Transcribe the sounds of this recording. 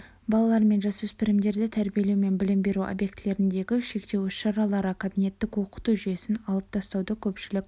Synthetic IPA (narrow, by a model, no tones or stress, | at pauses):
bɑlˠɑlˠɑɾme̞nʒɑsɵspɪɾɪmd̪e̞ɾd̪ɪt̪ʰæɾbije̞lewme̞nbɪlɪmbe̞ɾuʔo̰bje̞kt̪le̞ɾɪnd̪e̞ɡʲɪʃe̞kt̪e̞wʏsʃɑɾɑlˠɑɾəkʰabijne̞t̪ːɪkwo̞qə̥t̪uʒʏje̞sɪnɑlˠəp̚t̪ʰɑst̪ɑwd̪əkʲʰɵpʃɪlɪk̚ʲ